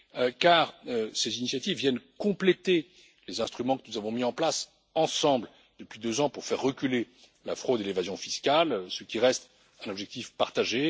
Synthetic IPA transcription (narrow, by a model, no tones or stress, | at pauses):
kaːʁøsezinisjat̪ivːjɛnkɔ̃plet̪e | lezɛ̃st̪χymɑ̃kənuzavɔ̃miɑ̃plas | ɑ̃sɑ̃bl | d̪əpɥid̪øzɑ̃puʁfɛʁːəkʲyle | lafχod̪elevazjɔ̃fiskalsəkʲiʁɛst̪ | ɛ̃nɔbʒɛk̚t̪ifpaʁt̪aʒe